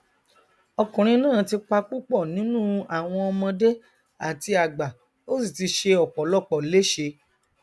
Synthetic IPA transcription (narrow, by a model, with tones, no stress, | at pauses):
ɔ˧kũ˨ɾ̃ĩ˧nãː˦˨ti˧k͡pa˧k͡pu˦k͡pɔ˦˨nĩ˨˦nũ˦a˨w̃ɔ̃˧ɔ˧mɔ̃˧de˦ | a˨ti˧a˨ɡ͡ba˨ | o˦si˦˨ti˧ʃe˧ɔ˨k͡pɔ˨˦lɔ˦˨k͡pɔ˨le˦ʃe˧